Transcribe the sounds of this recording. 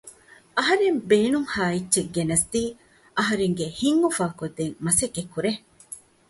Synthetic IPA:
ɐɦɐɾembeːnuŋhaːitːʃeɡːenɐsd̪iː | ʔɐɦɐɾeŋɡehiŋːufaːkod̪ːeŋmɐsekːekːuɾe

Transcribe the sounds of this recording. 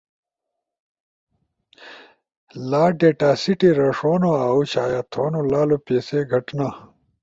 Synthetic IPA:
laːɖeːʈaːsiʈiɾɐʂoːnoaːut͡ɕaːjat̪ʰoːnolaːlopeːseɡʱɐʈna

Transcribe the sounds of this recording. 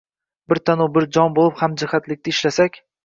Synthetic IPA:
bɪɾt̪ʰanʊbɪɾd͡ʒɒnbolˠɪphamd͡ʒɪhat̪lɪk̚ʲt̪ʰɪɪʃlasakʲ

